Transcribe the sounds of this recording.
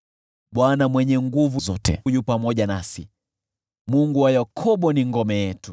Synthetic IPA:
ɓwanamwɛɲɛŋɡuvuzɔtɛ̰jupamɔʄanasi | muŋɡuwajakʰɔɓɔniŋɡɔmɛjɛtu

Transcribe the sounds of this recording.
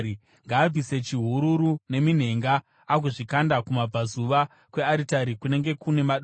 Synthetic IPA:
i | ŋɡaːb͡vise̞t͡ʃiɦuɾuɾune̞min̤e̞ŋɡaː | ɡuʐikandakumab͡vazuʋa | kwe̞aɾitaɾikune̞ŋɡe̞kune̞maɗo

